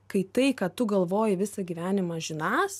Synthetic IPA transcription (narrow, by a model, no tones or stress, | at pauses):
kɐɪt̪ɐɪkɐt̪ʊɡɐlˠʋoːjɪʋʲɪsɐɡʲiːʋʲæːnʲɪmɑʒʲɪnɑːs